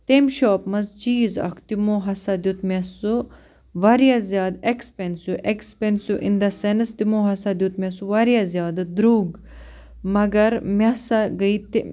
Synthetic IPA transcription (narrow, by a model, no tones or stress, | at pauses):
t̪emʃoːpmɐzt͡ʃiːzɐ̰kʰt̪imoːɦɐsad̪jut̪mʲesu | ʋɐɾjazjaːd̪ekspensjuʔekspensjuʔind̪ɐsensd̪imoːɦɐsad̪ʲjut̪mʲesuʋɐɾjazjaːd̪ɨd̪ɾuːɡ | mɐɡɐɾmʲɐsaɡəit̪